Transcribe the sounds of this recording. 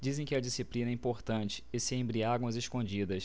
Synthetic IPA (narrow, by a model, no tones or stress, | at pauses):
d͡ʒizẽj̃kɪɐd͡ʒisiplĩnɐɛĩmpoɾt̪ɐ̃nt͡ʃɪ̥ɪsɪẽbɾiaɡwɐzeʃkõd͡ʒid̪ɐs